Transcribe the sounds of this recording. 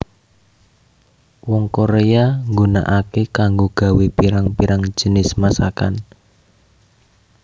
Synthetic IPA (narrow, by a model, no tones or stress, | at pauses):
wɔŋkoɾeaŋɡuna̰ʔakekaŋɡoɡ̥a̤wepiɾaŋpiɾaŋ̥d͡ʒ̥ə̤nɪsmasaka̰n